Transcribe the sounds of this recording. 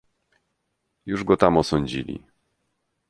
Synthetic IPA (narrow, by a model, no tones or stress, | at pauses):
juʐɡɔt̪amɔsɔɲd͡ʑḭlʲḭ